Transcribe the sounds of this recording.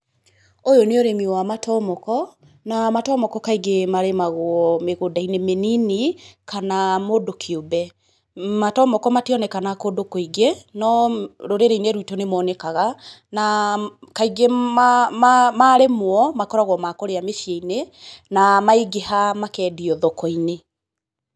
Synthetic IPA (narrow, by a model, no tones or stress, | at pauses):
ojoneoɾemiwamatʰɔmɔkɔ | namatɔmɔkɔkaiɡemaɾemaɣoɔmeɣodainemeninikanamodokʰiobɛ | matɔmɔkɔmatiɔnɛkanakodokoiɡenɔɾoɾeɾeineɾwitɔnemɔːnɛkaɣanakaiɡeamamaɾemwɔmakɔɾaɣwɔmakɔɾeameʃjeinenamaiɡehamakɛːdiɔðɔkɔine